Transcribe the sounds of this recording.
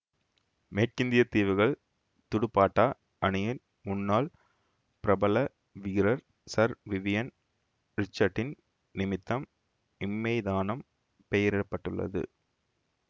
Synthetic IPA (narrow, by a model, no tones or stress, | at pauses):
meːʈkɪnd̪ɪjɐt̪ːiːʋɯɣɐɭ | t̪ʊɽɯpːaːʈːaː | ʔɐɳɪjɪn | mʊnːaːl | pɪɾɐbɐlɐ | ʋɪɪɾɐɾ | sɐɾʋɪʋɪjɐn | ɾɪt͡ʃːɐɾʈːɪn | nɪmɪt̪ːɐm | ɪmːɐɪðaːnɐm | pɛjɐɾɪɾɐpːɐʈːɯɭːɐ̰ðɯ̰